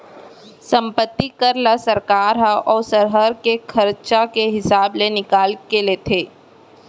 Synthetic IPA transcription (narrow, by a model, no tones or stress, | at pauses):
sə̃mpət̪ːikəɾlasəɾkaːɾɦaɔːsəɾɦəɾkekʰəɾt͡ʃakeɦɪsaːblenɪkaːlkeleːt̪ʰeː